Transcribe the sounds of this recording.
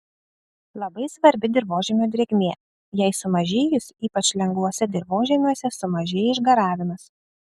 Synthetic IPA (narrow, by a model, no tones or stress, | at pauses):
lˠɐbɐɪsʋɐɾʲbʲɪd̪ʲɪɾboːʒʲɛːmʲuːd̪ʲɾʲeːɡʲmʲeː | jɛɪsʊmɐʒʲeːjʊsʲiːpɐt͡ʃʲlʲɛŋɡʋˠuɔsʲɛd̪ʲɪɾʋoːʒʲɛːmʲuɔsʲɛsʊmɐʒʲeːjɛɪʒɡɐɾɑːʋʲɪmɐs